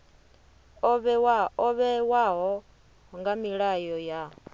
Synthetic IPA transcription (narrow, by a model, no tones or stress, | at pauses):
ɔβɛwaɔβɛwaɦɔ | ɦɔŋɡamiɺajɔja